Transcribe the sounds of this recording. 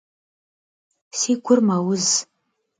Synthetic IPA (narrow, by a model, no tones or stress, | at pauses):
siːɡʷʊrmawʊz